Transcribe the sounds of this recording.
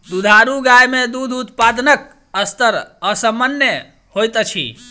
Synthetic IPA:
d̪ud̪ʱaɾuɡajmed̪ud̪ʱut̪̚pad̪nək̚ | əst̪əɾəsəmənjə | hojt̪t͡ʃʰḭ

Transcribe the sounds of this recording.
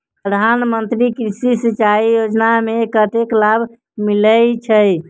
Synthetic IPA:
pɾəd̪ʱanmənt̪ɾikɾisisit͡ʃaijod͡ʒnamekəʈ̪eklabʱ | miləjt͡ʃʰəj

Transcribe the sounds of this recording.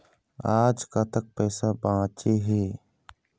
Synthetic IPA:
aːd͡ʒkaːt̪ək̚pɛːsabãːt͡ʃeːɦeː

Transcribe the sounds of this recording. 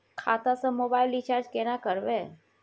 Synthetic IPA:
kʰa̰t̪ãsə̃mobailit͡ʃaɾd͡ʒkenakəɾʋe

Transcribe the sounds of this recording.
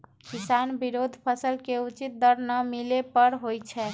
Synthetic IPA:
kisanbiɾod̪ʱpʰəsəlkeut͡ʃit̪̚d̪əɾnəmilepəɾɦojt͡ʃʰɛ

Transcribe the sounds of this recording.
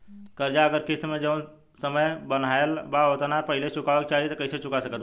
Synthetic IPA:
kəɾd͡ʒaəɡəɾkɪt̪mẽd͡ʒəʋn | səməjbən̤aelbaɦot̪napəɦɪlet͡ʃʊkaʋək̚t͡ʃaɦit̪əkəɪset͡ʃʊkasəkət̪

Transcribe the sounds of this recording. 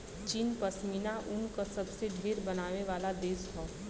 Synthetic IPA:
t͡ʃiːnpəsmiːnaʔʊnkosɐbseɖʱeːɾbənaːʋeʋaːlad̪eːsɦʰɔː

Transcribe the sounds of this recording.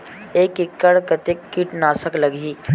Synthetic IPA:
ekikːəɽkət̪ekːiʈnasəkləɡʱiː

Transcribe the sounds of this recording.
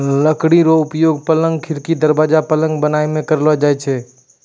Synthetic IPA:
ləkɽiɾoʊpjoːɡ̚pələ̃ŋɡ̚kʰɪɾkid̪əɾbaːd͡ʒapələ̃ŋɡbənaːemẽkəɾlad͡ʒaːɛt͡ʃʰɛː

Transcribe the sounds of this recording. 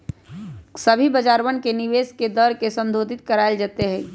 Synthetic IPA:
sɐbʱibɐd͡ʒaːɾʋənkenɪʋeːsked̪əɾkesə̃nd̪ʱoːd̪ʱɪt̪̚kɐɾaːɪld͡ʒaːt̪eɦɛ̃ː

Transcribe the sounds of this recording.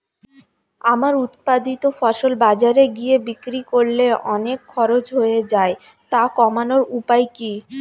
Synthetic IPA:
amaɾut̪̚pad̪it̪ofɔʃolbad͡ʑaɾeɡijebikɾikoɾleʔɔnekʰːɔɾod͡ʑɦoed͡ʑae | t̪akɔmanoɾupajki

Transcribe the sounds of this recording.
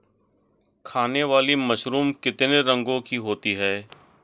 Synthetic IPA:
kʰaːneʋaːlimɐʃɾuːmkɪt̪neɾə̃ŋɡõkiɦoːt̪iɦɛː

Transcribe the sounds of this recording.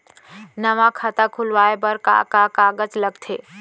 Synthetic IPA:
nɐʋãkʰat̪akʰʊlʋaːebəɾka̰kakaːɡət͡ʃləɡt̪ʰeː

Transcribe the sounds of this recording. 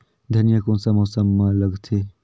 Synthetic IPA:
d̪ʱɐnjəkõːsamɔːsəmːaləɡt̪ʰe

